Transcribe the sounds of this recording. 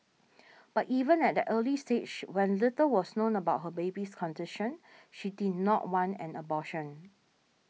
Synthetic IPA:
b̥ativə̃nɛt̚dəʔəlisted͡ʒwɛ̃nlɪtəwɔsnõnəbaʊt̚ɦəbebiskʰɔ̃ndɪʃə̃nʃididⁿnɔt̚wãnɛ̰̃nəbɔʃə̃n

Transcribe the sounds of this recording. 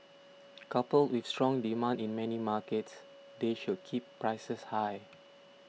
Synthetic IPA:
kapəltwifstɹɔ̃ŋdimãndĩnmɛnimakəts | deʃud̚kʰipːɹaɪsəshaj

